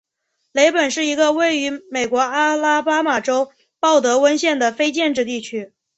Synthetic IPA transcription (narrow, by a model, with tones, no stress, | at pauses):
le˧˥ɪpə˨˩nʂɻ̩˥˩i˧˥ɡə˧we˥˩ɪy˧˥me˨˩ɪkwɔ˧˥a˥la˥pa˥ma˨˩ʈ͡ʂo˥ʊ | pɑ˥˩ʊt̪ɤ˧˥wə˥nɕjɛ˥˩nd̪ə˩fe˥ɪt͡ɕjɛ˥˧nʈ͡ʂɻ̩˥˧t̪i˥˩t͡ɕʰy˥